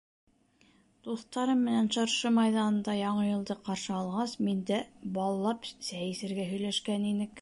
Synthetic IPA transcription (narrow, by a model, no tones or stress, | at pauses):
d̪̥uθt̪ɑɾɤmːɘ̆nænʃɑɾʃɤmɑjðɑnɤ̆nd̪ɑjɑɴɤjɤ̆lˠd̪ɤqɑɾʃɤɑlˠʁɑsmind̪æbɑlˠːɑpsæjɘ̆sɘ̆ɾɡæɦɵ̆jlæʃkæninɘk